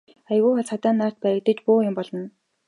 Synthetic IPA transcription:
ajɣʊːxaɮt͡sat̪aːnːaːr̥t̪̚pæɾə̆k̚t̪ə̆t͡ɕpʊːjʊmpɔɮɞ̆n

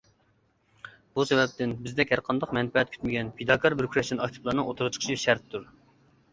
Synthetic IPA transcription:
b̥usɛbɛp̚t̪ɪnbɪzd̪ɛkʲhæɾqʰɑnd̪ɑqmɛnpɛɛt̪̚kʰy̥t̪mɪɡʲɛnpʰed̪ɑkʰɑɾbɪɾkʰʲɾɑʃɪnɑkʲt̪ʰɨ̥plˠɑnɨŋot̪ʰuɾɨt͡ʃʰə̥qʰə̥ʃʰiʃæɾt̪ʰːuɾ

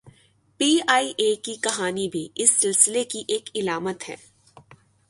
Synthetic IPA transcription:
piːaːiʔeːkikɐɦaːnibʱiɪsːɪlsɪlekiʔeːkɪlaːmət̪ɦɛ̰̃ː

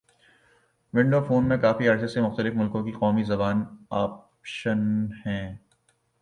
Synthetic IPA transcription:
ʋɪ̃ɳɖoːfoːnmẽkaːfiaːɾsesemʊxt̪əlɪfmʊlkõkiqɔːmizɐbaːnaːp | ʃənhɛ̃ː

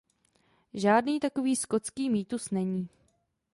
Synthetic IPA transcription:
ʒaːdniːt̪ako̞viːsko̞t͡skiːmiːt̪usnɛɲiː

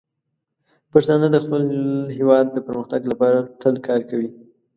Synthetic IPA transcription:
paʃt̪ɑnəd̪əxpəlɦewɑd̪̚ːəpəɾməxt̪aɡlapɑɾat̪ʰəlkɑɾkawi

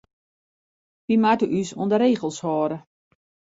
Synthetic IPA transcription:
ʋimatyʔysṵəndəɾeːɣəlˠshɔːɾə

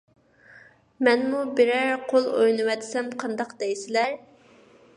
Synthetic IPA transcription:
mɛnmubɪɾæɾqʰolˠo̰jnɨwɛt̪ʰɪ̥sɛmqʰɑnd̪ɑqd̪ɛjsɪlæɾ

